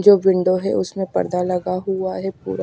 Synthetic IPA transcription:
d͡ʒoːʋɪ̃ɳɖoɦɛ̰ʔʊsmẽpɐ̰ɾd̪alɐɡaɦuaɦɛpṵːɾa

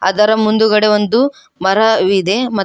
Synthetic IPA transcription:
ɐ̰d̪ɐɾɐmund̪uɡɐɽeʋond̪u | mɐɾɐʋid̪emɐ

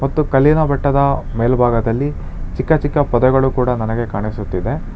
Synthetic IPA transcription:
mɐt̪ːukɐlinɐbɐʈːɐd̪ɐmeːlbʱaːɡɐd̪ɐlːi | t͡ʃikːɐt͡ʃikːɐpɐd̪ɛɡɐɭukuːɽɐnɐnɐɡe̞kaːɳisut̪ːid̪e̞

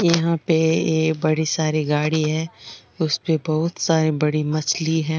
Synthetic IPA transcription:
jɐɦãpeeːkbɐɽesaːɾeɡaːɽiɦɛ̃ːʊspebɐɦʊt̪saːɾebɐɽimɐt͡ʃliɦɛ̃ː

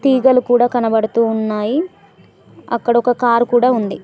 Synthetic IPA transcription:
t̪iːɡɐlukuːɽaːkɐnɐbɐɽut̪uːnːaːji | ɐ̰kːɐɽɐɔkɐkaːɾkuːɽaːund̪i

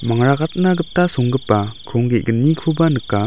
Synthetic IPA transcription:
maŋɾaɡat̪̚naɡɯp̚tasoŋɡɯpːakʰɾɔŋɡeɡənːikʰubanɯkːa

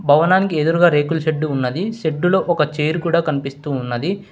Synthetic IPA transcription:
bʱɐʋɐnaːnikied̪uɾuɡaːɾe̞ːkulʃeɖːuːnːɐd̪iʃeɖːulo̞ːʔɔkɐt͡ʃejɾukuːɽaːkɐnipist̪uːnːɐd̪i

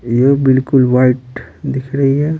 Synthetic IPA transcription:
jebɪlkʊlʋaɪʈd̪ɪkʰɾɐɦiɦɛː

